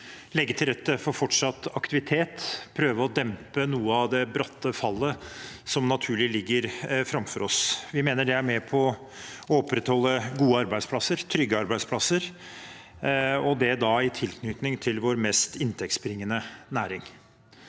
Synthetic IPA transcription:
lɛɡːət̪ʰɪlɾɛt̪ːəfɔɾfɔʈʂɑt̪ːɑkt̪ɪʋɪt̪ʰeːt̪pʰɾøːʋəɔd̪ɛmpənuːəɑʋd̪ɛbɾɑt̪ːəfɑlːəsɔmnɑt̪ʰʉːɭɪlɪɡːəɾfɾɑmfɔɾɔsʋɪmeːnəɖɛæɾmɛpʰɔ | ɔɔpɾɛt̪hɔlːəɡuːəɑɾbæɪspʰlɑsəɾt̪ʰɾʏɡːəɑɾbæɪd̪spʰlɑsəɾ | ɔd̪ɛd̪ɑɪt̪ʰɪlkʰnʏt̪nɪŋt̪ʰɪlʋoɾmɛːst̪ɪnt̪ʰɛk̚t̪sbɾɪŋːənənæːɾɪŋ

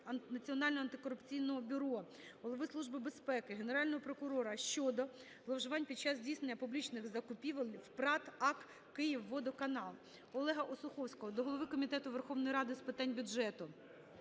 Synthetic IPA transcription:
nɐt͡sʲiɔnɑlʲnɔɦɔɐnt̪ɪkɔɾʊpt͡sʲijnɔɦɔbʲʊɾɔ | ɦɔlˠɔʋɪslˠuʒbɪbespɛkɪɦe̞neɾɑlʲnɔɦɔpɾɔkʊɾɔɾɐʃt͡ʃɔd̪ɔ | ɦlˠɐwʒʊʋɑnʲpʲid̪̚t͡ʃːɑzdʲijsnenʲːɐpʊblʲit͡ʃnɪɣzɐkʊpʲiʋɐlʲwpɾɑt̪ɑk | kɪjiwːɔd̪ɔkɐnɑlˠ | ɔlˠɛɦɐʔɔsʊxɔwsʲkɔɦɔd̪ɔɦɔlˠɔʋɪkɔmʲit̪ɛt̪ʊʋerxɔʋnɔjɾɑd̪ɪspɪt̪ɑnʲbʲʊʒɛt̪ʊ

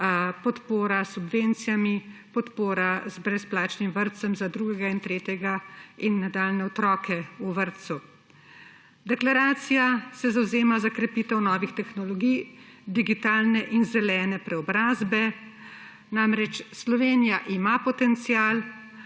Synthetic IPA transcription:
pɔt̪poːɾasubʋent̪sijamipɔt̪poːɾazbɾɛsplaːt͡ʃnimʋəɾt̪sɛmzad̪ɾuːɡɛɡaint̪ɾeːt̪jɛɡainːad̪aːlnɛɔt̪ɾɔːkɛuʋəɾt̪su | d̪ɛklaɾaːt̪sijasɛzawzeːmazakɾɛpit̪ɛwnɔːʋixt̪ɛxnɔlɔɡij | d̪iɡit̪aːlnɛʔinzɛlɛːnɛpɾɛɔbɾaːzbɛ | namɾɛt͡ʃslɔʋeːnijaʔimapɔt̪ɛnt̪sijaːl

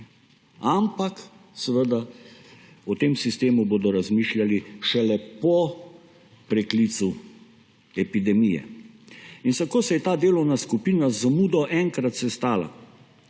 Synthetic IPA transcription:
ampaksɛʋəd̪a | ɔt̪emsist̪eːmuboːd̪ɔɾazmiːʃljaliʃɛlɛpɔ | pɾɛklit̪su | ɛpid̪ɛmijɛ̰ | insakoːsɛjɛt̪aːd̪eːlɔwnaskupiːnazamuːd̪ɔʔɛŋkɾat̪sɛst̪aːla̰

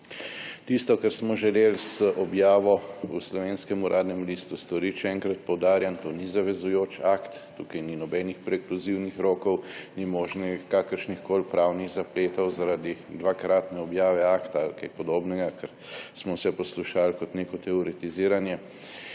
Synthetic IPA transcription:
t̪ist̪ɔkɛɾsmɔʒɛleːlsʔɔbjaːʋɔuslɔʋeːnskɛmuɾʔaːd̪nɛmlist̪ust̪ɔɾiʃɛɛŋkɾat̪̚pɔwd̪aːɾjant̪oːnizaʋɛzujoːt͡ʃakt̪ːuːkɐjninɔbɛnixpɾɛːkluziwnixɾoːkɔwnimɔːʒnɛkaːkəɾʃnixkoːlpɾaːwniɣzapleːt̪ɔwzaɾad̪id̪ʋakɾaːt̪nɛɔbjaːʋɛaːkt̪alkajpɔd̪oːbnɛɡakɛɾ | smɔwsɛpɔsluʃalkɔt̪neːkɔt̪ɛɔɾɛt̪iziːɾanjɛ

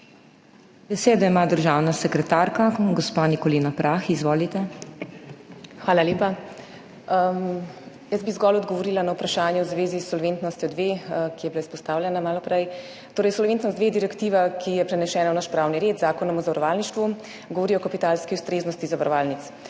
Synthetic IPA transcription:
bɛseːd̪ɛimad̪əɾʒaːwnasɛkɾɛt̪aɾkaɡɔspanikɔliːnapɾaxizʋoːlit̪ɛ | xʋaːlalʲjeːpa | jəzbizɡɔlɔd̪ɡɔʋɔɾilanawpɾaʃaːnjɛwzʋeːzisːɔlʋent̪nɔst̪jɔd̪ʋekijɛbilaispɔst̪aːwlʲjɛnamaːlɔpɾɛj | t̪oːɾɛjsɔlʋent̪nɔsd̪ʋeːd̪iɾɛkt̪iʋakʰijɛpɾɛnɛʃɛːnawnaʃpɾaːwniɾeːd̪zaːkɔnɔmɔzaʋɐɾɔʋaːlniʃt̪ʋu | ɡɔʋɔɾiɔkapit̪aːlskiuwst̪ɾeːznɔst̪izaʋaɾɔʋaːlnit̪s

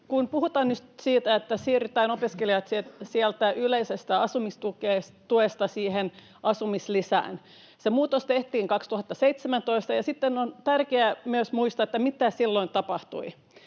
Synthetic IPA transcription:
kunpuhut̪ɑːnnyt̪siːt̪æet̪ːæsiːryt̪æːnopiskeliɑt̪sit̪siælt̪æʔyleisest̪æɑsumist̪ukeːst̪uest̪ɑsiːhen | ʔɑsumislisæ̰ːn | semuːt̪ost̪eht̪iːŋkɑkst̪uhɑt̪ːɑseit̪semænt̪oist̪ɑjɑsit̪ːenont̪ærkeæmyøsmuist̪ɑet̪ːæmit̪æsilːoint̪ɑpɑht̪ṵi

